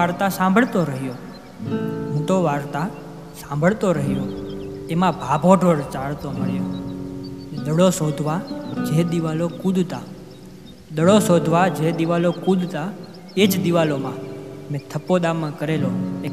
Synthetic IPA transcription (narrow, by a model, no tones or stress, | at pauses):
aɾt̪asãmbʱəɭt̪oɾəɦjo | ənʈ̪oʋaɾt̪a | sãmbʱəɭt̪oɾəɦjoemãbʱabʱoʈʋəɽt͡ʃaɭt̪omə̰ɭjo | neɗ̪əɭosod̪ʱʋad͡ʒed̪iʋalokũd̪ʱt̪a | ɗ̪əɽosod̪ʱʋad͡ʒed̪iʋalokud̪ʱt̪a | ed͡ʒd̪iʋalomãmẽt̪ʰəpːod̪amãkəɾeloe